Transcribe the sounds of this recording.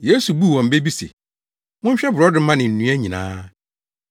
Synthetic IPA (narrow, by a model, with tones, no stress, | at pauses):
jeː˨˦su˨bu˦˨wɔ̃˨m̩˨be˦bi˦sḛ˨ | mʊ̃˦ɲ̩˦ɕᶣɛ˦bʊ˨ɾɔ˦dɪ̃˦mã˦nɪ̃˨n̩˨nũ˨˦æ˦ɲĩ˨nã̰ː˦